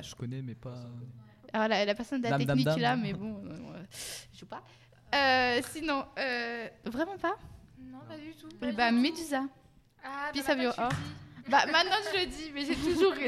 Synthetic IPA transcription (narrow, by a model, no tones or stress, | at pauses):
ʒəkɔnɛmɛpa | alɔʁlalapɛʁsɔnd̪əlat̪ɛniklamɛbɔ̃ | ʒupa | øsinɔ̃øvʁɛmɑ̃pa | uɛbamed̪yza | pjɛsavjɔ̃ɔbamɛ̃t̪nɑ̃ʒələd̪imɛʒet̪uʒuʁ